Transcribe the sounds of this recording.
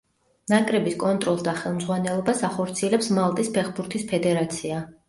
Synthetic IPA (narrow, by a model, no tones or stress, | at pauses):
nakʼɾɛbiskʼɔnt̪ʼɾɔlˠd̪aχɛlˠmd̪zʁwanɛlˠɔbasaχɔɾt̪sʰiɛlɛpsmalˠt̪ʼispʰɛχbuɾt̪ʰispʰɛd̪ɛɾat̪sʰia